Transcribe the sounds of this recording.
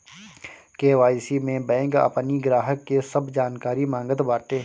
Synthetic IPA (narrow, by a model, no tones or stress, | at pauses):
keːʋaːjsimẽbɛ̃ːŋkə̰pniɡɾaːɦəkːesɐbd͡ʒaːnkaːɾimãːŋɡət̪baːʈ̪eː